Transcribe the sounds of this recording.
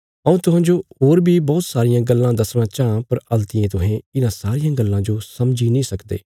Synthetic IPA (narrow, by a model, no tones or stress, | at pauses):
əũːt̪ʊɦãːd͡ʒoːɦoːɾbʱiːbɔːt̪saːɾɪjãːɡəlːãːd̪ɐsñãːt͡ʃaːãːpɐɾəlt̪ɪẽːt̪ʊɦẽːɪnãːsaːɾɪjãːɡəlːãːd͡ʒoːsɐmd͡ʒiːnĩːsəkd̪ḛː